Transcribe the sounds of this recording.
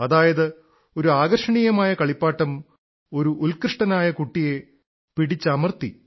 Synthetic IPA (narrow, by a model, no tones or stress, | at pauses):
ɐðaːjɐðɨ | o̞ɾuaːɡɐrʂɐɳijɐmaːjɐkɐɭipːaːʈːɐm | o̞ɾuʔːlkrɨʂʈɐnaːjɐkuʈːije̞ | piɽit͡ɕːɐmɐrt̪i